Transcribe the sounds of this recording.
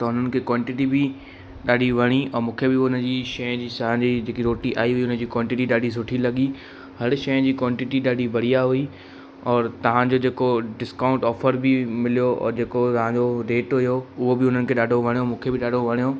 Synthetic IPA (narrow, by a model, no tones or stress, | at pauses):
t̪ɐɦʊn̤ənɪ̆kʰeːkwɔːɪ̃ɳʈɪʈ̬ibɪ | ɗaːɗʱiʋɐɽ̃iɔːmũːkʰebɪʊnəd͡ʑiːʃɐjə̃d͡ʑiːsɐɦãd͡ʑiːd͡ʑeːkiɾoːʈiʔaːiɦʊiʊnə̃d͡ʑiːkwɔːɳʈɪʈiɗaːɖʱis̬ʊʈʰilɐɠi | hɐɾʃɐjə̃d͡ʑiːkwɔːɪ̃ɳʈɪʈiɗaːɖʱibʱɐɽ̤ijaɦʊi | ɔːɾt̪ɐʋ̤ãd͡ʑoːd͡ʑeːkoɖɪskãːʊ̃ɳʈɔːfəɾbɪmɪlijoɔ̰ːd͡ʑeːkot̪ɐʋ̤ãd͡ʑoɾeːʈɦʊjoʊɦobɪʊn̤ənɪ̆kʰeːɗaːɖʱoʋɐɽ̃ijomũːkʰebɪɗaːɖʱoʋɐɽ̃ijo